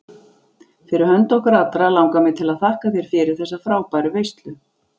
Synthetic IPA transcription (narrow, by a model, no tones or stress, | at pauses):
fɪɾɪɾ̥hœnt̪ɔhkɾat̪ɾalawŋkamɪt̪ʰɪlaðθahkafjɛɾ̥fɪːɾɪ̥θɛsːafɾaːwpajɾʏvejst̪lʏ